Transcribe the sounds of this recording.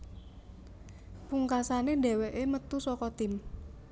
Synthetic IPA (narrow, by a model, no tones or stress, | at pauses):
puŋkasaneɖe̤weʔemət̪usɔkɔt̪ɪm